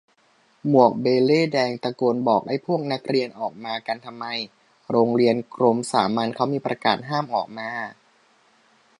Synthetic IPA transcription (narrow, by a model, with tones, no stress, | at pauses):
mu˨˩ək̚beː˧leː˥˩dɛː˧ŋt̪a˧koː˧nbɔː˨˩k̚da˥˩jpʰu˥˩ək̚na˦˥k̚ɾi˧ənʔɔː˨˩k̚maː˧ka˧nt̪ʰa˧mːa˧j | ɾoː˧ŋɾi˧ənkʰɾo˧msaː˩˦maː˧nkʰa˦˥wmiː˧pɾa˧kaː˨˩t̪̚ɦaː˥˩mʔɔː˨˩k̚maː˧